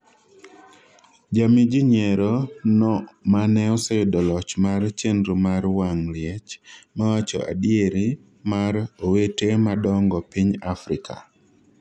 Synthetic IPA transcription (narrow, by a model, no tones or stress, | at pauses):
d͡ʒamid͡ʒiɲɛɾɔnɔmanɛɔsejdɔlɔt͡ʃmart͡ʃendɾumaɾwaŋlɪɛt͡ʃmawat͡ʃɔ̰ʔa̰dieɾi | maɾowetemadɔŋɡɔpiɲafɾɪkʰa̰